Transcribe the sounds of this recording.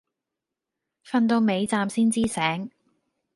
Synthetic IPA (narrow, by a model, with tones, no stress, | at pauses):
fɐ˧nt̪̬o˧wme˨˧jt͡saː˧msiː˥nt͡siː˥sɛː˨˥ŋ